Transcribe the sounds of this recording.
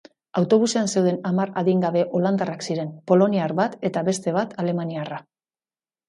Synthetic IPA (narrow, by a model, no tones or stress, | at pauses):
awt̪o̞β̞use̞anse̞wð̞e̞namaraðiŋɡaβe̞ʔo̞land̪araksiɾe̞mpo̞lo̞niaɾβat̪e̞t̪aβe̞st̪e̞β̞at̪ʰale̞maniara